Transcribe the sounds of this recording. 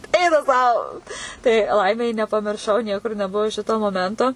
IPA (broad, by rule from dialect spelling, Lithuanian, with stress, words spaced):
ˈɛɪnɐ sɐʊ tɐɪ ˈlˠɐɪmʲɛɪ nʲɛpɐmʲɪrˈʃɐʊ ˈnʲiɛkʊr nʲɛˈbuɔ ˈʃʲɪtoː moːˈmʲɛntoː